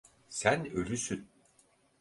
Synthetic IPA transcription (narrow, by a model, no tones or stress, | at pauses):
sænølʲysyn